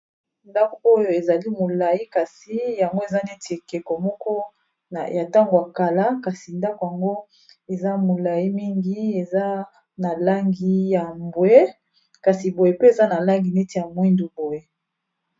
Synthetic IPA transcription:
nda˦ko˨o˦jo˨e˨za˨li˦mo˨la˨ji˦ka˨si˨˦ja˨ŋɡo˦e˨za˦ne˦ti˨kɛ˨ko˨mɔ˦kɔ˦ | a̰˨ja˨ta˦ŋɡo˨a˨ka˨la˦ka˨si˨nda˦ko˨ja˨ŋɡo˦ | e˨za˦mo˨la˨ji˦mi˦ŋɡi˦e˨za˦ | na˨la˦ŋɡi˦ja˨mbwe˦ | ka˨si˨bo˨je˨pe˦e˨za˦na˨la˦ŋɡi˨ne˦ti˨ja˨mwi˦ndu˨bo˨je˨

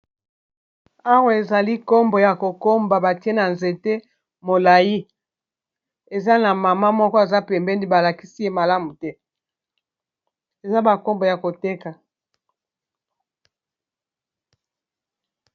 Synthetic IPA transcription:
a˦wa˨e˨za˨li˦ko˦mbo˨ja˨ko˨ko˦mba˨ba˨ti˦e˦na˨nze˨te˦ | mo˨la˨ji˦ | e˨za˦na˨ma˨ma˦mɔ˦kɔ˦e˨za˦pɛ˨mbɛ˦ni˦ba˨la˨ki˦si˦je˦ma˨la˦mu˨tɛ˦ | e˨za˦ba˨ko˦mbo˨ja˨ko˨te˦ka˨

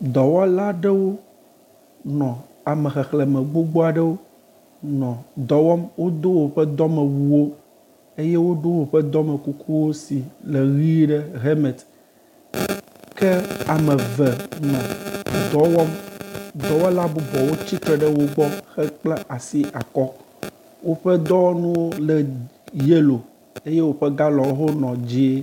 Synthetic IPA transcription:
d̪ɔ˨wɔ˦la˦ɖɛ˦wo˦ | nɔ̃˨ | a˨mɛ̃˨xɛ˨xlɛ˨mɛ̃˨ɡ͡bo˦ɡ͡bo˦a˨ɖɛ˦wo˦ | nɔ̃˨d̪ɔ˨wɔ˦mwo˦d̪o˦wo˨ɸɛ˦d̪ɔ˦mɛ̃˨wu˨wo˦ | e˦je˦wo˦ɖo˦wo˨ɸɛ˦d̪ɔ˦me˨ku˨kʰu˦wo˦si˨le˨ɣi˦ɖɛ˦ɦe˦mɛ˨t̪ | kɛ˦a˨mẽ˨vɛ˨nɔ̃˨d̪ɔ˨˦wɔ˦md̪ɔ˨wɔ˦la˦bu˨bɔ˨wo˦t͡ɕi˦t̪ɾɛ˨ɖɛ˦wo˦ɡ͡bɔ˦xɛ˦k͡ple˦ʔa˨si˦ʔa˨kɔ˦ | wo˦ɸɛ˦d̪ɔ˦nũ˦wo˦lɛ˨ | je˦lo˨ | e˦je˦wo˦ɸe˦ɡa˦lɔ̃˨˦ɦo˦nɔ̃˨d͡ʑi˦e˦

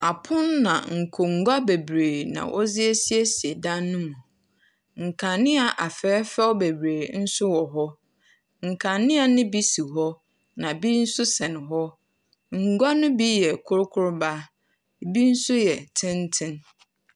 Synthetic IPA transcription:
a˨pʰʊ̃˦nːã̰˨ŋ̩˨kʰo˨ŋ̩˨ɡʷa˦be˨bɾeː˨nã̰˨ʔɔ̰˦zɪ˦e˦si˦e˦si˨e˨dã˦nːʊ̃˦mũ˨ | ŋ̩˨kʰã˨nːɪ̃˦a˨ʔa˨fɛ˨˦fɛ˦ɔ˦be˨bɾeː˨n̩˦sʊ˦wɔ˨ɦɔ˦ | ŋ̩˨kʰã˨nɪ̃˦a˨nɪ̃˦bi˦si˨ɦɔ˦ | nã˨bi˦n̩˦sʊ˦sɛ˨nɪ̃˨ɦɔ˦ | ŋ̩˨ɡʷa˦nʊ̃˦bi˦jɛ˨kʰʊ˦ɾʊ˦kʰʊ˦ɾba˦˨ | bi˦n̩˦sʊ˦jɛ˨tʰɪ̃˦n˦tʰɪ̃˦n

